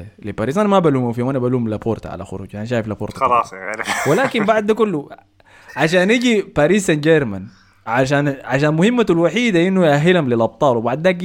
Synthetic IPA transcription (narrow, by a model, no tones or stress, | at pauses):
lipaɾiːsanamabaluːmafiːwʔanabaluːmlapoːɾˤt̪ʕa̰la̰xʊɾṵːd͡ʒanaʃ̬aːjiflapoːɾt̪alɑsewɪlaːkimbaʕd̪kʊlːu | ʕaʃaːnʔiɡipaɾiːsand͡ʒeɾman | ʕaʃaːnʕaʃaːnmʊhɪmːalwaħiːd̪aʔinːujʔaɦːɪlhamlɪlʔɑb̚t̪ˤɑːlwbaʕd̪ːaːk